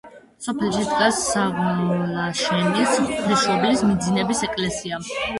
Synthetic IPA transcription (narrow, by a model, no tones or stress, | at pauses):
sɔpʰɛlʃid̪ɡasaʁlaʃɛnisɾɛʃɔblismid̪zinɛbisɛkʼlɛsia